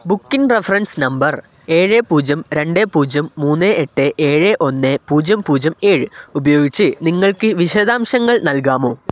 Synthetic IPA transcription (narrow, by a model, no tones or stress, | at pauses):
bukːinrefɐrɐnsnɐmbɐr | e̞ːɻepuːd͡ʑɐmɾe̞ɳɖeːpuːd͡ʑɐmːuːnːeʔeʈːeʔeːɻeʔo̞nːepuːd͡ʑɐmpuːd͡ʑɐmeːɻɨubɐjo̞ːɡit͡ɕːɨniŋːɐɭkɨʋiɕɐd̪aːmɕɐŋːɐɭnɐlk̬aːmo̞ː